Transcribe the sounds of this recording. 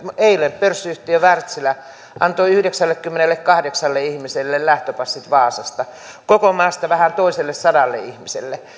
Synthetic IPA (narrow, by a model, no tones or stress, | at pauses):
meilemppørsːyht̪iøʋært̪silæ | ʔɑ̰nt̪oiyhdeksælːekkymːenelːekkɑhdeksɑlːeihmiselːellæht̪øpɑsːit̪ʋɑːsɑst̪ɑ | kokomɑːst̪ɑʋæhænt̪oiselːessɑdɑlːḛihmisḛlːe